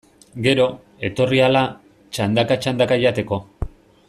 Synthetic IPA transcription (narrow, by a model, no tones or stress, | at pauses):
ɡe̞ɾo̞ | e̞t̪o̞riala | t͡ʃand̪akat͡ʃand̪akaʎat̪e̞ko̞